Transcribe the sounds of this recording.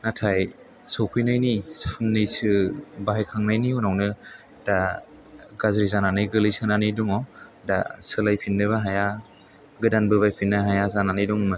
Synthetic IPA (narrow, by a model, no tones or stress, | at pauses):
natʰaj | sowpʰɯjnajnisɯpʰɯnːɯjsɯbaɦajkʰaŋnajniunawnɯ | d̥a | ɡazɾizananɯjɡɯlijsɯnanɯjduŋɔda̰sɯlajpʰinːɯβaɦaja | ɡɯdanbɯβajpʰinːɯɦajazananɯjduŋmɯ